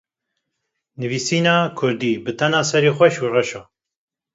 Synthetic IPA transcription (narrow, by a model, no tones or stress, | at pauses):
nɨviːsiːnɑːkʰʊɾd̪iːbɨt̪ʰɛnɑːsɛɾeːxʷɛʃuːrɛʃoː